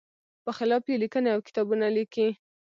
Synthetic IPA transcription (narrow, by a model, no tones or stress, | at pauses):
pəxɪlɑpkelikəneawkɪ̥t̪ɑbunaliki